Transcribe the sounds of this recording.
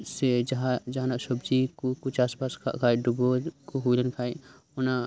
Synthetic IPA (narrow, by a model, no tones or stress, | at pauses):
sed͡ʒɦãd͡ʒanasəbd͡ʒikokʊt͡ʃʰaːspaːskʰa̰ʔkʰaːjɖubokoɦulənkʰaːj | ona